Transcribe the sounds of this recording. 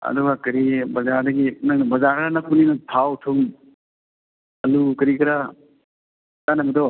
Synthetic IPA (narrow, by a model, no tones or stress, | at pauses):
ɐ̰d̪ubakɐɾibɐzaɾd̪ɐɡinɐŋbɐzaɾɾanɐkuninɐt̪ʰawtʰuŋ | ɐlukɐɾikɐɾa | t̪anɐbid̪ɔ